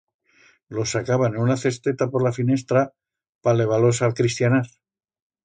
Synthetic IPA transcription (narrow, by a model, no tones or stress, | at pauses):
lo̞sakaβanenunaθe̞st̪et̪apo̞ɾlafine̞st̪ɾa | pale̞β̞alo̞salkɾist̪janaɾ